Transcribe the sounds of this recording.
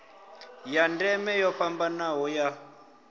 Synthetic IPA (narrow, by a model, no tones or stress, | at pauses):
jandɛmɛjɔɸambanaɦɔja